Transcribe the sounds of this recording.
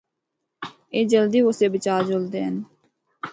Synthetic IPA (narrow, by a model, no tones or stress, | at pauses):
eːd͡ʒəld̪iːʊseːbət͡ʃaːɾd͡ʒold̪eːən